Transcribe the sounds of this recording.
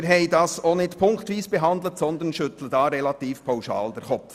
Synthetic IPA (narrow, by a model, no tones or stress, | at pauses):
ɾɦɛɪdɑsoːnɪtpʰʊŋkt̪ʋiːsb̥ɛɦɑnd̪l̩ətsɔnd̪ənʃʏt̪l̩ədɑːɾɛlɑt̪iːfpʰaʊʃɑ̰ːld̥ɛɾχɔ